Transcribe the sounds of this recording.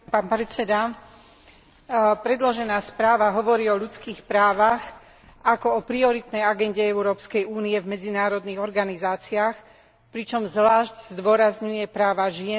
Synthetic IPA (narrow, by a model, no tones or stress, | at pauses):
paːnpɾɛt͡sɛd̪a | pɾɛd̪lɔʒɛnaːspɾaːʋaɦɔʋɔɾiːɔʎut͡skiːxpɾaːʋax | akɔɔpɾiɔɾit̪nɛjaɡɛnɟɛɛʊɾɔːpskɛjuːniɛvmɛd͡zinaːɾɔd̪niɣɔɾɡanizaːt͡siaːx | pɾit͡ʃɔmzʋlaːʒɟzd̪ʊɔɾazɲujɛpɾaːʋaʒɪɛ